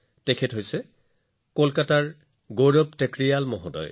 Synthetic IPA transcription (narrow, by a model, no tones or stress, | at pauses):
tɛkʰɛtɦojsɛ | kolkataɹ | ɡoɹɔptekɹijalmɔɦɔdɔ̰j